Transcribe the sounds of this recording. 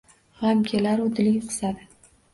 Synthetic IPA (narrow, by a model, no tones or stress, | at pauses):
ʁamkʲʰelaɾud̪ɪlɪɡʲqʰɨ̥sad̪ɪ